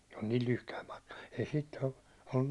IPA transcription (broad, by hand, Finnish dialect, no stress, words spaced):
se on niːl lyhkæim mɑ̥tkɑ̥ ei siːt olːun